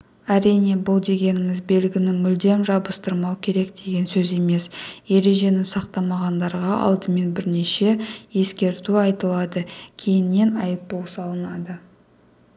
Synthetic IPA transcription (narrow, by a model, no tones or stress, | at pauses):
æɾijne̞bʊlˠd̪e̞ɡʲe̞nɪmɪzbe̞lɡʲɪnɪmʏld̪e̞mʒɑbəst̪əɾmɑwkʲʰe̞ɾe̞kd̪eɡʲe̞nsɵze̞me̞sje̞ɾe̞ʒe̞nɪsɑqt̪ɑmɑʁɑnd̪ɑɾʁɑʔɑ̰lˠd̪əme̞nbɪɾne̞ʃe̞je̞skʲe̞ɾt̪uɑjt̪əlˠɑd̪əkʲʰe̞jɪnːe̞nɑjəp̚bolˠsɑlˠənɑd̪ə